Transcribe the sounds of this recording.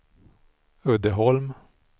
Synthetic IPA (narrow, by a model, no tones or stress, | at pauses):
œd̪əɦɔlm